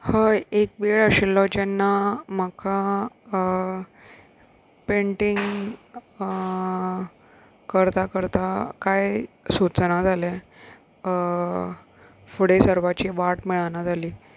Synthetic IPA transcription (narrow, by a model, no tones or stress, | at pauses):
həek̚beɭəɕilːɔt͡ɕanːamakʰa | peɳʈiŋɡ | kəɾt̪akəɾt̪akaj | sut͡snad͡zalɛ | fuɽesəɾʋat͡ɕiʋaʈmiɭanad͡zʱaliː